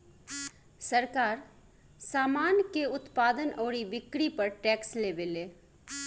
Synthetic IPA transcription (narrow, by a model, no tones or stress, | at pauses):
sɐɾkaːɾ | saːmaːnjkeʊt̪paːd̪ənɔːɽiʋɪkɽipɐɾʈɛːksleːʋeleː